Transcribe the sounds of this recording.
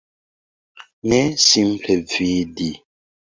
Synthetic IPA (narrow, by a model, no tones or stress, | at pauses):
nɛsim̩pʰɛvidi